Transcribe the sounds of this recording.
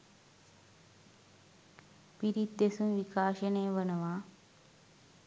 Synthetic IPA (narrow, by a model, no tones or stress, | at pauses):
piɾit̪ːesumʋikaːʃɐnejʋɐnɐʋaː